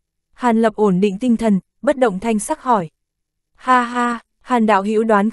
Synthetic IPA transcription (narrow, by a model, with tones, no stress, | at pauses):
haː˨˩nlə˨˩p̚ʔo˧˩nɗḭ˧˨ŋ̟t̪ï˧ŋ̟t̪ʰə˨˩n | ɓə˦˥t̚ɗə̰˧˨wŋ͡mt̪ʰa˧jŋ̟saː˦˥k̚hɔ˧˩j | haː˧ɦaː˧ | haː˨˩nɗa̰ː˧˨wɦḭ˧˥wɗwaː˨˦n